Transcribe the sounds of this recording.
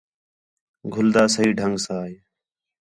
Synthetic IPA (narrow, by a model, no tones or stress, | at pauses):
ɡʱʊld̪aːsəɦiːɖʱəŋɡsaːɦe